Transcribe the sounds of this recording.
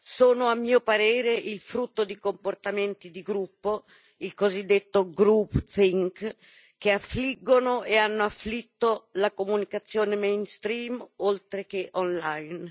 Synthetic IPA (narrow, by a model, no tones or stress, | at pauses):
soːnoamːiːopaɾeːɾeʔilfɾut̪ːod̪ikomport̪ament̪id̪iɡɾupːo | ilkozid̪ːet̪ːoɡɾupθiŋk | keafːliɡːonoeanːoafːlit̪ːolakomunikat̪sːjoːnemejnst̪ɾiːmolt̪ɾek̟eʔɔnlajn